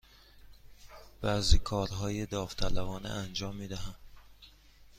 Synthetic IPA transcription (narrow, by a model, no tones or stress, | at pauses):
b̥æzikʰɒːɾɦɒːjed̪ɒːft̪ʰælævɒːnḛʔænd͡ʒɒːmːiːd̪æɦæm